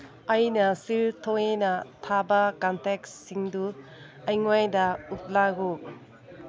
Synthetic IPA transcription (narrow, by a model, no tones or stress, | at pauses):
ɐjnɐsiltʰoŋenɐtʰabɐkanteksːiŋdu | ɐjŋwajdɐup̚laɡu